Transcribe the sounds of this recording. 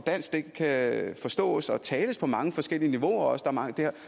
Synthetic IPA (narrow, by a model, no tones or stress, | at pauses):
d̥æn̰sɡ̥d̥eɡ̥kʰːæfɒ̽sd̥ɔ̰̽ːsɒ̽t͡sʰɛːləspʰɒ̽mɑ̈ŋəfɒ̽sɡ̥el̰iəniʋo̝ɐɒ̽sd̥ɑ̈æɐmɑ̈ŋəd̥ehæ̰